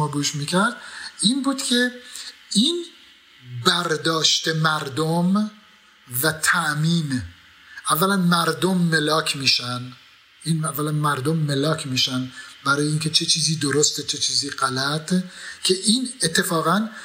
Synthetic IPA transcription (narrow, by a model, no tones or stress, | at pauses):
ɒːɡuːʃmiːcʰæɾd̪̥iːnbuːd̪̥cʰe̞ | iːn | bæɾd̪ɒːʃt̪emæɾd̪om | væt̪ʰæʔmiːn | ʔævːælænmæɾd̪omːelɒːkʰmiːʃæn | ʔiːnævːælænmæɾd̪omːelɒːcʰmiːʃænd̪bæɾɒːjeincʰe̞t͡ʃʰet͡ʃʰiːziːd̪oɾost̪et͡ʃʰet͡ʃʰiːziːɢælæt̪ʰcʰe̞ʔiːnet̪ʰːe̞fɒːɣæn